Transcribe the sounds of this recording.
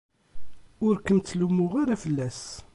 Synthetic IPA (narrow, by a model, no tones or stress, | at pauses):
ʊɾkənt̪lumːʊʁaɾafəlːæs